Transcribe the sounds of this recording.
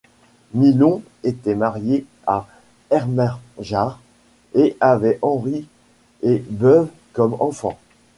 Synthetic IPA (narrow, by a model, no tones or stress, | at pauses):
milɔ̃ | et̪ɛmaʁje | a | ɛʁmɛʁʒaʁ | eʔavɛʔɑ̃ʁi | ebœv | kɔmɑ̃fɑ̰̃